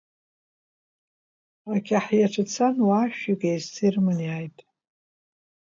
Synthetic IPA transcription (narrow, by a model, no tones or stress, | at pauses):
akʲʰaħjaʈ͡ʂʰat͡sʰanwaʃᶣiɡejztʰirmɨniajtʼ